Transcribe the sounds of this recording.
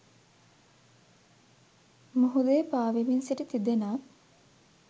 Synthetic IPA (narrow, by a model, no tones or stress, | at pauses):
muɦud̪ejːpaːʋiminsiʈət̪id̪enaː